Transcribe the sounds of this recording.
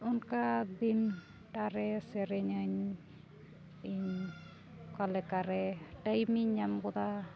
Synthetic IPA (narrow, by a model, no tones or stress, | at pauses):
unkad̪in | ʈaɾɛsɛɾɛɲaɲ | iɲ | kalɛkaɾɛʈajmiɲamkɔd̪a